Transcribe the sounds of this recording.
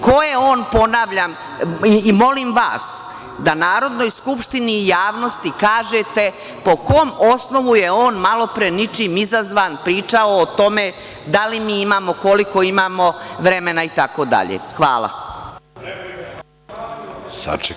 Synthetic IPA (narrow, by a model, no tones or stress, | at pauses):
kojeo̞ːnpo̞naːʋʎaːmː | mo̞limʋa̰ːs | d̪anaːɾo̞d̪no̞jskupʃt̪iniːjaːʋno̞st̪ikaːʒet̪e̞ | po̞koːmosno̞ʋujeo̞ːnmalo̞pɾenit͡ʃimizazʋaːnpɾiːt͡ʃaoːt̪o̞me | d̪alimiːimaːmo̞ko̞liko̞imaːmo̞ʋɾemenait̪ako̞ːd̪a̰ʎḛxʋa̰ːlˠa̰ | sa̰t͡ʃ